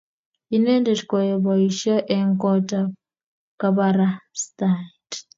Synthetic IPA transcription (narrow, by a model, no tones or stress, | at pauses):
inendetkojeβɔiʃɔʔeŋkɔta | kaβaɾastait